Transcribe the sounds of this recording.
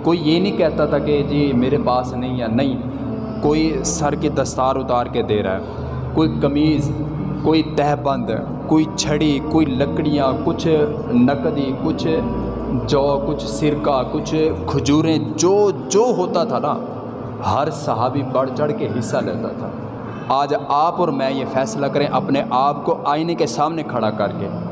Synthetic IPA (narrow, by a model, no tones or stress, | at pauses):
koːiːjeːnəĩːkɛːt̪aːt̪ʰaːkɪd͡ʒiːmeːɾepaːsnəĩːɛːnəĩː | koːiːsəɾked̪əst̪aːɾʊt̪aːɾked̪eːɾa̰ːɛ̰ː | koːiːkəmiːz | koːiːt̪ɛːɦbə̃nd̪ | koːiːt͡ʃʰəɽiːkoːiːləkɽɪjãːkʊt͡ʃʰ | nəkd̪iːkʊt͡ʃʰ | d͡ʒɔːkʊt͡ʃʰsɪɾkakʊt͡ʃʰkʰʊd͡ʒuːɾẽd͡ʒoːd͡ʒoːɦoːt̪at̪ʰanaː | ɦəɾsəɦaːbibəɽt͡ʃəɽkeɦɪsːalḛːt̪a̰t̪ʰa̰ː | aːd͡ʒaːpɔːɾmɛ̃ːjefʰɛːslakəɾẽʔəpneʔaːp̚koʔaːinekesaːmnekʰəɽakəɾkḛː